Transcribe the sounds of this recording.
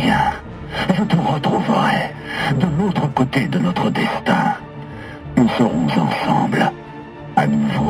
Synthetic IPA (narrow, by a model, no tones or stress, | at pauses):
jɛ̃ | ʒət̪əʁət̪χuvəʁɛ | d̪əlot̪χəkot̪ed̪ənɔt̪χəd̪ɛst̪ɛ̃ | nusəʁɔ̰̃zɑ̰̃sɑ̰̃bl | a̰nuvo